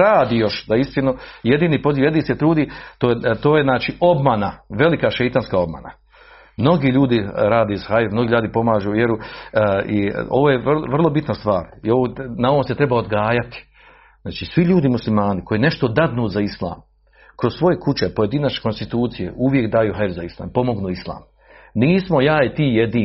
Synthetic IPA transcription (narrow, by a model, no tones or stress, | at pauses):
ɾaːd̪ijo̞ʃd̪aist̪inujed̪iːnipo̞ziːʋjed̪iːset̪ɾuːd̪it̪ot̪oːjeznaːt͡ʃiʔo̞bmanaʋe̞likaʃejt̪anskao̞bma̰na̰ | mno̞ɡiːʎuːd̪iɾaːd̪eshajifmnoɡiːʎaːd̪ipo̞maːʒuːjeɾu | io̞ʋoːjeʋrlʋr̩lˠo̞bit̪nast̪ʋaːɾioʋonao̞ʋomse̞t̪ɾe̞baod̪ɡaːjat̪i̥ | znaːt͡ʃiːsʋiʎuːd̪imuslimaːnikʰo̞jine̞ʃt̪o̞d̪ad̪nuːzaislˠa̰ːm | kɾo̞ssʋo̞jekut͡ɕepo̞je̞d̪inat͡ʃeko̞nst̪it̪uːt̪sije̞̰ʔuʋjekd̪aːjuːɦaɾzaislˠa̰ːmpo̞mo̞ɡnuːislˠa̰ːm | niːsmo̞jaːjet̪iːjed̪iː